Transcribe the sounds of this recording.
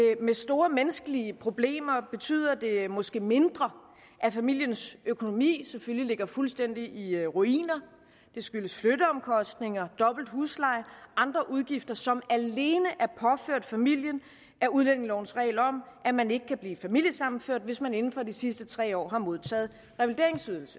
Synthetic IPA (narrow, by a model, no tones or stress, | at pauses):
mesd̥o̝ːɐmenəsɡ̥əliəpʰʁo̝b̥le̝̰ːmɐb̥e̝t͡sʰy̰ːð̞̰ˠɐd̥e̝mɒ̽sɡ̥e̝̰ːme̝nd̥ʁɐ | ʔæfæmil̰jənsøkʰo̝no̝mḭːseføllile̝ɡ̥ɐfulsd̥en̰d̥iʔiʁuḭːnɐ | d̥e̝sɡ̥yləsfløɾ̥əɒ̽mkʰɒ̽sd̥ne̝ŋɐd̥ɒ̽b̥l̩d̥huːslɑ̈ɪ̰ʔɑ̈nd̥ʁɐʔuð̞ˠɡ̥ifd̥ɐsɒ̽mæle̝ːnəʔæɐpʰɒ̽føɐ̰d̥fæmil̰jən | æɐʔuð̞ˠlen̰e̝ŋlɒʊ̰n̩sʁɛ̰ːlɒ̽m̰ʔæmæne̝ɡ̥əkʰæb̥liːfæmil̰jəsɑ̈mn̩føɐ̰d̥ʋe̝smæne̝n̩fɒ̽disisd̥ət͡sʰʁɛ̰ːɒ̰ːɦɑ̈mo̝ð̞ˠt͡sʰɛ̰ːð̞̩ˠ | ʁɛʋld̥e̝ɐ̰e̝ŋsyðˠl̩sə̥